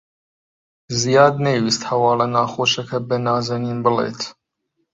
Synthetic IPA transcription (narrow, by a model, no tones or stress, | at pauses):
zijɑːd̪nejwist̪hɐwɑːlɐnaːxoːʃɐkʰɐbɐnaːzɐniːnbɨlḛːt̪